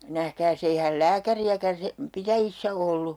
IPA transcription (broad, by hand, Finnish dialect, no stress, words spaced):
næhkæːs eihæl læːkæriækæn sem pitæjisːæ olːu